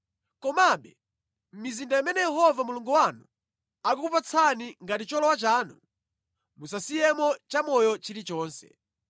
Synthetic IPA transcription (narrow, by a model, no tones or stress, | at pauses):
kɔmaɓɛ | m̩mizindaimɛnɛjɛɦɔvamuluŋɡuwanu | ak̬ukupat͡sʰaniŋɡatit͡ʃɔlɔwat͡ʃaːnu | musasijɛmɔt͡ʃamɔjɔt͡ʃilit͡ʃɔːnsɛ̰